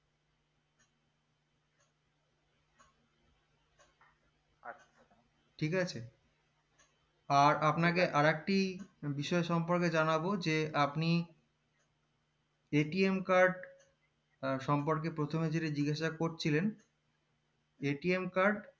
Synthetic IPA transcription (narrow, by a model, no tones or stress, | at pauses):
ʈʰikat͡ɕʰe | aɾapnakeʔaɾek̚ʈibiʃɔeʃɔmpoɾked͡ʑanabod͡ʑeapni | eʈiemkaɾɖ | ʃɔmpoɾk̬epɾot̪ʰomed͡ʑeʈed͡ʑiɡaʃakoɾt͡ɕʰilen | eʈiemkaɾɖ